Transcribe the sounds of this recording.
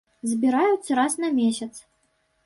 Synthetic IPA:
zʲbʲiɾajut̪sʲɐɾasnɐmʲesʲɐt̪s

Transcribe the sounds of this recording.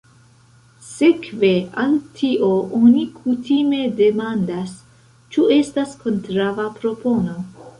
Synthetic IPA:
se̞kve̞antʰiʔo̞ʔonikʰutime̞de̞mandas | t͡ʃue̞stasko̞ntɾavapɾo̞po̞no̞

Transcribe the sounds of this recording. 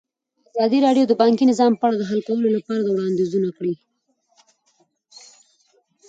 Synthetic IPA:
azɑd̪iɾɑɖjod̪əbɑŋkinɪzɑmpəaɽad̪əɦalkawəlolapɑɾad̪əwɽɑnd̪izunakɽi

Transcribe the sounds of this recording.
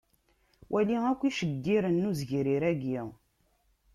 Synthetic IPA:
wʔæliækʷːiʃəd̪ːiɾənːuzʝɾiɾæɡi

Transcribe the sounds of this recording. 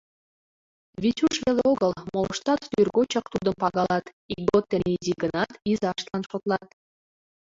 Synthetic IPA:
βʲitʲuʃβelʲeoɣəlmolʃt̪ɑt̪ːyrɡot͡ɕɑkt̪ud̪ə̆mpɑɣɑlɑt̪ | ik̚ɡot̪ːɘ̆nʲeiziɡənɑt̪izɑʃt̪lˠɑnʃot̪lˠɑt̪̚

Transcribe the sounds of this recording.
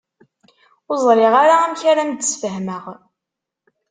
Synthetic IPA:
ʊzˤɾɪʁaɾaæmçaɾamd̪əsfəɦməʁ

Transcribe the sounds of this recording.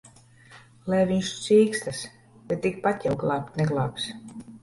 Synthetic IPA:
lɛvʲiɲʃsiːkst̪as | b̥ɛt̪ːik̚pat̪ʲjawɡlˠaːk̚t̪nɛɡlˠa̰ːks

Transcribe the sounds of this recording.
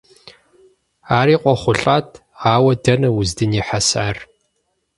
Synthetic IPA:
aːɾiːqʷʼɔχʷʊɬʼaːtʰ | aːwɐdɐnɐwʊzdɨniːħasa̰ːr

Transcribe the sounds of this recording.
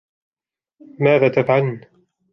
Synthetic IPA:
maːðaːt̪afʕal

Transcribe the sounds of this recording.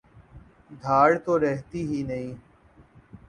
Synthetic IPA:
d̪ʱaːɽt̪oːɾɛɦt̪iːɦiːnəĩː

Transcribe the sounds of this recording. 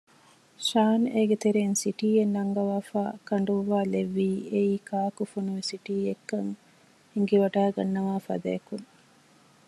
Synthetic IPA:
ʃaːneɡet̪eɾeːnsiʈiːjenːɐŋɡɐʋaːfaːkɐɳɖuʋːaːleʋːiːeiːkʰaːkufunuʋesiʈiːekːɐŋ | eŋɡeʋɐɖaːɡɐnːɐʋaːfɐ̰d̪ɐ̰jːkuŋ

